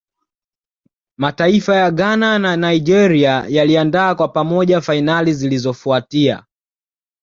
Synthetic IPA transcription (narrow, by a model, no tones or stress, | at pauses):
mataifajaɠanananaid͡ʒɛɾiajaliandaːkwapamɔʄafainalizilizɔfuatia̰